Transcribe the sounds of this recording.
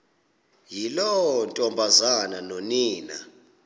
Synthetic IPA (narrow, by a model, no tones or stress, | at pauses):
jilɔntʼɔmbʱazananoniːna